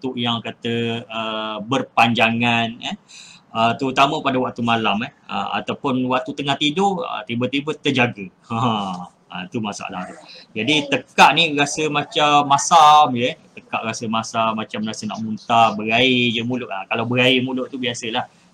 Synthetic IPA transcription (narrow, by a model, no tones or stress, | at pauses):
t̪uʔjaŋkat̪əəbərpaɲd͡ʒaŋanəət̪əɾut̪amə̃padawaʔ̚t̪umalamɛhə̰a̰t̪awpʊnwaʔ̚t̪ut̪əŋaht̪idoʔə̰t̪ibət̪ibət̪əd͡ʒaɡə | a | a̰t̪umasa̰ʔla̰d͡ʒadit̪əkaʔniɾasəmat͡ʃamːasamjət̪əkaʔɾasəmasamat͡ʃamrasəna̰ʔmunt̪abəɾaid͡ʒəmulʊʔakalawbəɾaimulʊʔt̪ubiasəlah